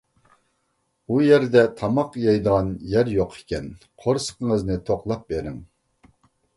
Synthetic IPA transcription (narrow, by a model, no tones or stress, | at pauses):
ujɛɾd̪ɛt̪ʰɑmɑqjɑjd̪əʁɑnjɛɾjoqʰe̥kʲɛn | qʰoɾsə̥qəŋəznɨt̪ʰoqlˠɑp̚beɾɪŋ